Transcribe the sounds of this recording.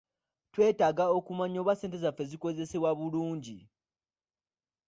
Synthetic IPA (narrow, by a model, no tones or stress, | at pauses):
twe̞ːtaːɡao̞kumaɲo̞ːβwase̞ːnt̬e̞zafe̞ziko̞ze̞se̞βwaβuluːɲɟi